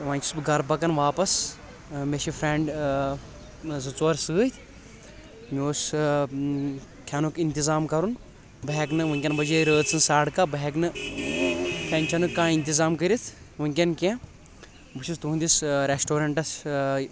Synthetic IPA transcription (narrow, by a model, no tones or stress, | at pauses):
ʋãːnʲt͡ʃʰi̥sbɨɡɐɾpɐkɐnʋaːpɐs | meʃifʰɾeɳɖ | zɨt͡soːɾsɨːt̪ʲʰ | mioːs | t̪ʲʰɐnukint̪izaːmkɐɾun | bɐɦɛknɨʋɐŋkʲɐnbɐd͡ʒeɾəːd̪t͡sʰɨnsaːɽkaːbɐɦɛknɨ | k̪ʲʰɐnʲt͡ʃʰɐnukãːint̪izaːmkəɾit̪ʰ | ʋɐŋk̬ʲɐnkʲẽ | bɨʃʰist̪uɦund̪isɾesʈoːɾɐɳʈɐs